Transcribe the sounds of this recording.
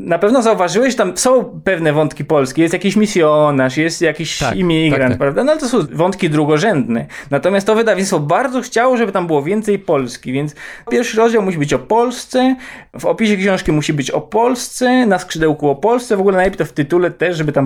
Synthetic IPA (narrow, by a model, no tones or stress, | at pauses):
napɛvnɔzauvaʐɘwɛɕʐɛt̪amsɔ̃w̃pɛvnɛvɔ̃nt̪kʲipɔlskʲejɛst̪jakʲiɕmʲisʲjɔnaʂjɛst̪jakʲiɕḭmʲiɡɾan̚pɾavd̪anɔalɛt̪ɔsɔ̃w̃vɔnt̪kʲid̪ɾuɡɔʐɛnd̪nɛnat̪ɔmʲjast̪t̪ɔvɘd̪avʲiɲsfɔbaɾd̪zɔxt͡ɕawɔʐɛbɘt̪ambɘwɔvʲjɛnt̪sɛjpɔlskʲivʲjɛnt̪spʲjɛɾfʂɘɾɔzd͡ʑawmuɕ̬ibɘt͡ɕɔpɔlst̪sɛvɔpʲiɕɛkɕɔ̃w̃ʂkʲimuɕibɘt͡ɕɔ̰pɔlst̪sɛnaskʂɘd̪ɛwkuɔpɔlst̪sɛvɔɡulɛnajpʲit̪ɔft̪ɘt̪ulɛt̪ɛʂʐɛbɘɨt̪am